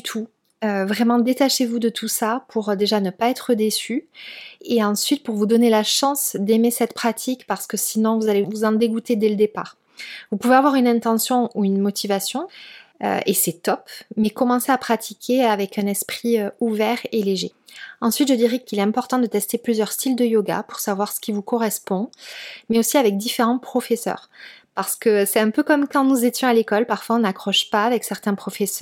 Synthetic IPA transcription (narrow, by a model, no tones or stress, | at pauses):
t̪ʰu | øvʁɛmɑ̃d̪et̪aʃevud̪ət̪ʰusapʰuʁd̪eʒanəpaɛt̪χəd̪esy | eɑ̃sɥit̪̚puʁvud̪ɔnelaʃɑ̃sd̪emesɛt̪pχat̪ʰikpaʁsə̥kəsinɔ̃vuzalevuzɑ̃d̪eɡut̪ed̪ɛləd̪epa̰ʁ | vupuveavwaʁynɛ̃t̪ɑ̃sjɔ̃uynmɔt̪ʰivasjɔ̃ø̰esɛt̪ɔpmɛkɔmɑ̃seapχat̪ʰikʲʰeavɛkɛ̃nɛspχiøuvɛʁeleʒe | ɑ̃sɥit̪ʒəd̪iʁɛkilɛt̪ɛ̃pɔʁt̪ɑ̃d̪ət̪ɛst̪eplyzjœʁst̪ild̪əjoɡa̰puʁsavwaʁsə̥kʲivukɔʁɛspɔ̃mɛosiavɛk̚d̪ifeʁɑ̃pχɔfɛsœ̰ːʁpaʁsə̥kəsɛt̪ɛ̃pøkɔmkɑ̃nuzet̪jɔ̃alekɔlpaʁfwaɔ̃nakχɔʃpaːvɛksɛʁt̪ɛ̃pχɔfɛsʁ